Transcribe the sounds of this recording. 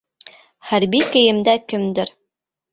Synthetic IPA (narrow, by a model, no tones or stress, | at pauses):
χæɾbikɘ̆jɘ̆md̪ækɘ̆md̪ɘɾ